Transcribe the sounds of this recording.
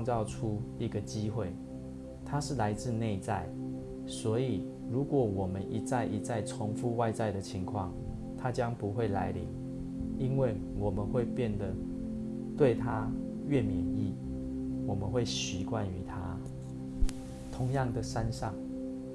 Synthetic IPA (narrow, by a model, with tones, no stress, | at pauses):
ŋt͡sɑ˥˨ʊʈ͡ʂʰu˥i˧˥ɡə˨t͡ɕi˥xwe˥˩ɪ | t̪ʰa˥ʂɻ̩˥˩la˧˥ɪt͡sɹ̩˥˧ne˥˧ɪt͡sa˥˩ɪ | swɔ˧˥i˨˩ | ɻu˨˥kwɔ˨˩wɔ˨˩mə˦nʔi˨˥t͡sa˥˩ɪʔi˨˩t͡sa˥˩ɪt͡sʰɔ˧˥ŋfu˥˧wa˥˧ɪt͡sa˥˩ɪd̪ə˨t͡ɕʰi˧˥ŋkʰwɑ̰˥˨ŋ | t̪ʰa˦t͡ɕjɑ˦ŋpu˧˦xwe˥˩ɪla˧˥ɪlḭ˧˥ŋ | i˦nwe˥˩ɪ | wɔ˨˩mə˨˦nxwe˥˧ɪpjɛ˥˩nd̪ə˩ | t̪we˥˨ɪt̪ʰa˦ | ɥɛ˥˨mjɛ˧˦ni˥˩ | wɔ˨˩mə˦nxwe˥˩ɪɕi˧˥kwa˥˨ny˧˥t̪ʰa˥ | t̪ʰʊ˧˦ŋjɑ˥˨ŋd̪ə˩ʂa˦nʂɑ˥˨˩ŋ